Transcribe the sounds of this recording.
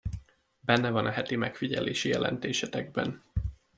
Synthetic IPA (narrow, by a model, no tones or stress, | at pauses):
bɛnːɛvɒnʔɒɦɛt̪imɛkfiɟɛleːʃijɛlɛ̰nt̪eːʃɛt̪ɛɡ̚bɛ̰n